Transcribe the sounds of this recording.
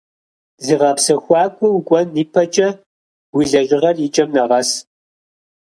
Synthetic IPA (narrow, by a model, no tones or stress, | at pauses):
ziːʁɐpsɐxʷɑːkʷʼɔwukʷʼɔnːiːpʰɐt͡ʃʼɐ | wiɮɐʑɪʁɐrit͡ʃʼɐmnɐʁɐs